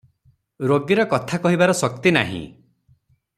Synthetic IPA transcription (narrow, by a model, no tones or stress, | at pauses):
ɾoɡiɾɔkɔt̪ʰakɔɦibaɾɔsɔk̚t̪ina̰ɦḭ̃